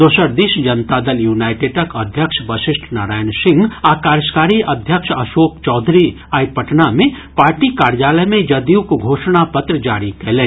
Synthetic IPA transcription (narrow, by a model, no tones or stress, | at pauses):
d̪oːsəɾd̪iʃd͡ʒɐnt̪ad̪əljuːnaːɪʈɪɖɐkɐd̪ʱjəkʃbɐʃɪsʈʰnaːɾaːjənsɪ̃ŋɡakaːɾəskaːɾiʔɐd̪ʱjəkʃɐʃoːkt͡ʃɔːd̪ʱɾi | aːjpəʈnamẽ | paːɾʈikaːɾjaːləjmẽd͡ʒɐd̪iukɡʱoːʃñapɐt̪ɾəd͡ʒaːɾikɐlẽː